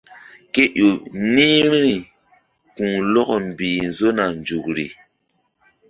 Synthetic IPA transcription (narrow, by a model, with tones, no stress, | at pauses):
ke˦ʔo˨ni˦ɾɾi˨ | kũ˨lɔ˦kɔ˨mbiː˨nzo˦na˨nd͡ʒu˨kɾḭ˨